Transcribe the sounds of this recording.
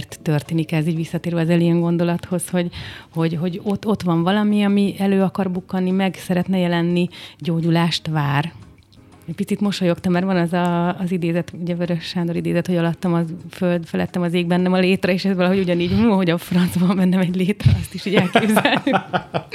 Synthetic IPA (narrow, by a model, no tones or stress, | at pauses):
rt̪ːørt̪eːnikɛziːɟʋisːɒt̪eːɾʋɛɒzɛlijɛŋɡo̞nd̪o̞lɒt̪ho̞sho̞ɟho̞ɟɦo̞ɟo̞t̪ːo̞t̪ʋɒɱvɒlɒmiɒmiɛløːɒkɒrbukːɒnːimɛɡsɛɾɛt̪nɛjɛlɛnːiɟoːɟulaːʃt̪ʋaːr | ɛc̚pit̪sit̪mo̞ʃojo̞kt̪ɒmɛrvɒnɛzɒːzid̪eːzɛt̪uɟɛvøɾøʃːaːnd̪o̞ɾid̪eːzɛt̪ho̞ɟɒlɒt̪ːɒmɒføld̪fɛlɛ̰t̪ːɛmɒzeːɡ̚bɛnːɛmɒleːt̪rɒeːʃɛzʋɒlɒɦo̞ɟuɟɒniːɟuhoɟɒfrɒnt̪zbɒɱmɛnːɛmɛɟleːt̪rɒɒst̪iʃiːɟɛlkeːbzɛljyk